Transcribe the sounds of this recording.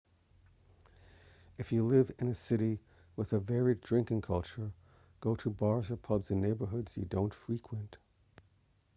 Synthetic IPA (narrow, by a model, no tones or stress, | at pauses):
ɨfjɨlɪvɪ̃nɨsɪɾi | wəðɨvɛɹidɹɪ̃ŋkɪ̃ŋkʰʌlˠt͡ʃə˞ | ɡ̥oʊɾɨbɑɹzə˞pʰʌbzɨ̃neɪbə˞ɦʊdz̥jɨ̰dõʊ̃ntfɹikʰwə̃nt